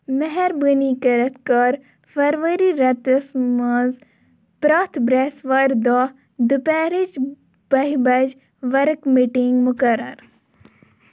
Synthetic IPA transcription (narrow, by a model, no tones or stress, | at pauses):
mɛɦɛɾbənikɐɾɐt̪ʰkɐɾ | fɐɾʋəɾiɾɐt̪əsmɐz | pɾaːt̪ʰbɾesʋɐɾd̪ɔ | d̪upɛːɾit͡ʃ | b̥ɐɦibɐd͡ʒ | ʋɐɾkmiʈiŋɡmʊkɐɾə̰ɾ